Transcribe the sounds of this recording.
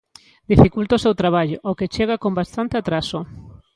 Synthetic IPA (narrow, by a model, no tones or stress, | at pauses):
d̪ifikult̪osewt̪ɾaβ̞aʎoʔoket͡ʃeɣ̞akõmbast̪ant̪eat̪ɾaso